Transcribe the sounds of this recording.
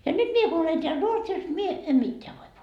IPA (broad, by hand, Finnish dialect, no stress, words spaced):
jɑ nyt mie ku olen teæl ruotsis mie em mitːeæ ʋoi